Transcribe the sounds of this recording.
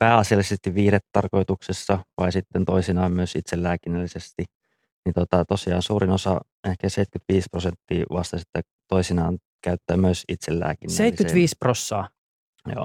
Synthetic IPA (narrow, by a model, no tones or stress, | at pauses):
pæːɑsiɑlːˑisest̪iʋʋiːhɾet̪t̪ɑrko̞it̪uksesːɑʋɑisit̪ːent̪oisinɑːmmyøsit̪selːæːkinːælːisest̪i | nit̪ot̪ɑt̪osiɑːnsuːɾinosɑ | ehkæseit̪kyt̪ʋiːsprosent̪ːiːʋɑst̪ɑsit̪ːæ | t̪oisinɑːn | kæyt̪ːæːmyøsit̪selːæ̰ːkinːseit̪ːskyt̪ʋiːsprosːɑː | jo̰ː